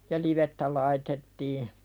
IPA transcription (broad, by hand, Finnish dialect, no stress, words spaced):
jɑ liʋetːæ lɑitetːiː